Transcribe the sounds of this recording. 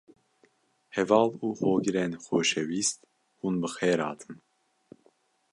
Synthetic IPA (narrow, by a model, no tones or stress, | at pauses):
hɛvɑːluːhoːɡɨɾeːnxoːʃɛwiːst̪ | huːnbɨxeːɾɑ̰ːt̪ʰɨ̥m